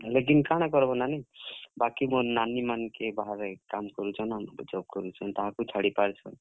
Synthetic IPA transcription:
lek̬inkaɽ̃akɔɾbɔnanibakimonanimankebaɦaɾekamkɔɾut͡ʃʰɔnambd͡ʒɔb̚kɔɾut͡ʃʰɔnt̪aɦãkut͡ʃʰaɽipaɾt͡ʃʰɔn

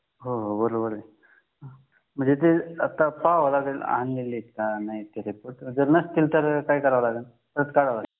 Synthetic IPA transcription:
ɦoɦobəɾobəɾe | m̤əɳd͡zet̪̬eət̪ːapaʋlaɡəla̰ɦanlilːit̪̚kanait̪eɾipoʈd͡zəɾnəst̪ʰilt̪əɾkajkəɾaʋlaɡən | t̪əɾət̪kaɽaʋla

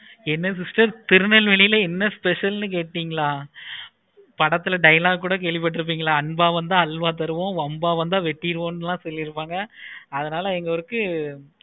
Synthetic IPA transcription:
ɛnːɐsɪsʈɐɾt̪ɪɾɯnɐlʋɛɭɪjɪlɐɛnːɐspɛʂɐlnɯk̬eːʈːiːŋɡɐɭaː | pɐɽɐt̪ːɯlɐɖɐjɐlaːɡkːuːɽɐk̬eːɭʋɪp̬ːɐʈ̬ːɪɾɯp̬ːiːŋɡɐɭaːɐɳbaːʋɐnd̪ãːɐlʋaːt̪̬ɐɾɯʋõːʋɐmbaːʋɐnd̪ãːʋɛʈːɪɪɾɯʋõːnlãːsɔlːɪɾɯpːaːŋɡɐɐðɐnaːlɐɛŋɡɐɔɾɯkːɯ

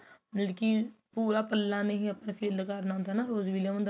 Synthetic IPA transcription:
nəlkiːpuːɾaːpəlːaːnəɦĩːəpnpʰeːlkəɾnaɦʊ̃nd̪aːnaːɾoːzʋiljãənd̪

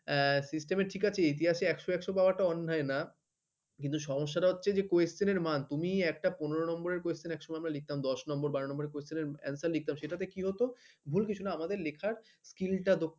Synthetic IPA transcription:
sisʈemeɾʈʰikat͡ɕʰeit̪̬iɦaʃeɛkʃoɛkʃobabaʈaɔnːaena | kint̪uʃɔmoʃːaʈaɦotːɕʰed͡ʑekoessineɾmant̪umiɛk̚ʈaponeɾonɔmboɾeɾkoessinɛkʃomɔjamɾalik̚t̪amd̪ɔʃnɔmboɾbaɾonɔmboɾeɾkoesineɾɛ̰nsallik̚t̪amʃeʈat̪ekiɦot̪obʱulkit͡ɕʰunaamad̪eɾlekʰaɾ | skilʈad̪ok

